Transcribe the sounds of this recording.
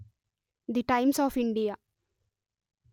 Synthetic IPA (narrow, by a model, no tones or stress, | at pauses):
d̪iʈãɪ̃msɔːfɪ̃ɳɖija